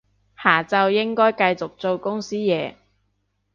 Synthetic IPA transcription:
haː˨˩t͡sɐ˨˧wjɪ˥ŋkɔː˥jkɐ˧jt͡sʊ˨k̚t͡so˨˧wkʊ˥ŋsiː˥jɛː˨˧

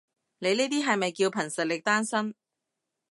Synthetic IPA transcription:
ne˨˧jniː˥t̪iː˥ɦɐ˨jmɐ˨jkiː˧wpʰɐ˨˩ŋsɐ˨t̚lɪ˨k̚t̪aː˥nsɐ˥n

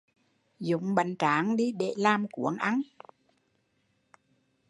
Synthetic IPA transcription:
zʊ̰˧˨ŋ͡mɓə˨˩ŋt͡ɕaː˨˦ŋɗi˧ɗḛ˧˩laː˧˩mku˧˦əŋʔa˧n

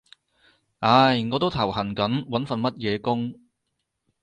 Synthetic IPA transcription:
ʔaː˨˧jŋɔː˨˧t̪o˥wt̪ʰɐ˨˩whɐ˨˩nkɐ˨˥nwɐ˨˥nfɐ˨nmɐ˥t̚jɛː˨˧kʊ˥ŋ

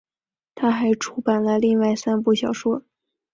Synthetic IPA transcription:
t̪ʰa˥xa˧˥ɪʈ͡ʂʰu˥pa˨˩nlə˦li˥˧ŋwa˥˩ɪsa˥npu˥˩ɕjɑ˨˩ʊʂwɔ˥

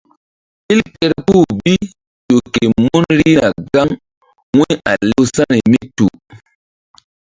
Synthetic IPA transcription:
i˦lpe˦ɾpu˦˨bi˦ | to˨ke˨mu˦nɾi˦na˨ɡa˦ŋ | wi˦a̰˨le˦wsa˦ɾi˨mi˦tu˨

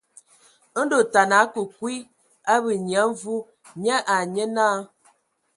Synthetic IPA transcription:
do˨ta˨na˨˦kə˨kwi˦ | a˦bə˨ɲja˨˦ɱ˦vu˦ | ɲɛ˦ʔa˨ɲə˦na˦

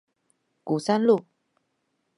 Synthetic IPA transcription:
ku˨˩sa˥nlu˥˨

